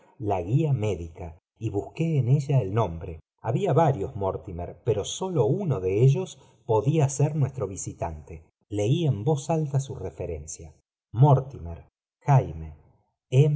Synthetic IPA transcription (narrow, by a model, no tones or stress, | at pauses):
laɣiame̞ðika | iβuske̞ːne̞ʒaelnõ̞mbɾe | aβiaβaɾjo̞zmoɾt̪imeɾpeɾo̞so̞lo̞unoðeeʒo̞s | po̞ðiaseɾnwest̪ɾo̞β̞isit̪ant̪e | le̞iembo̞salt̪asurefeɾe̞nsja | moɾt̪imeɾ | xajme | e